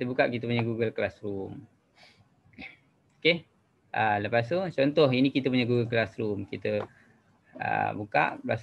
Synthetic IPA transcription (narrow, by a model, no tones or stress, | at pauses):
it̪əbukaʔkit̪̬əpuɲaɡuɡəlklasɾum | oke | ʔələpas̬t̪ut͡ʃɔnt̪ɔɦinĩkit̪əp̬uɲaɡuɡəlklasɾumkit̪ə | ə̰buka̰ʔblas